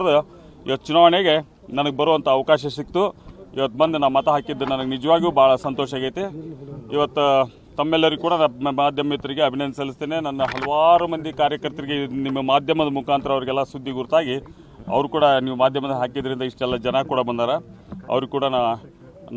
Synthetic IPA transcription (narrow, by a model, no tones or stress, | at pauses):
d̪u | ḭʋɐt̪ːut͡ʃunaːʋɐɳeɡe̞ | nɐnɐɡebɐɾoʋɐnt̪ɐːʋɐkaːʃ̬ɐsikt̪uḭʋɐt̪̚ːbɐnd̪enaːmɐt̪ɐɦaːkid̪ːunɐnɐɡenid͡ʒɐʋaːɡuːbaːɭɐsɐnt̪ɔːʃaːɡɐjt̪eiʋɐt̪ːu | t̪ɐmːɛlːɐɾiɡkuːɽɐnaːd̪ʱjɐmɐit̪ːɐɾiɡe̞ɐbʱinɐnd̪isɐlːist̪eːnenɐnːɐɦɐluʋaːɾumɐnd̪ikaːɾjɐkɐɾt̪ɾiɡenimːɐmaːd̪ʱjɐmɐd̪ɐmukaːnt̪ɾɐːʋɐɾiɡɛlːɐsud̪ʱːiɡuɾut̪aːɡi | ɐ̰ʋɐɾukuːɽɐniːʋumaːd̪ʱjɐmɐd̪ɐɦaːkid̪ɐɾind̪ɐiʂʈɛlːɐd͡ʒɐnɐkuːɽɐbɐnd̪aːɾe | ɐ̰ʋɐɾuɡkuːɽɐna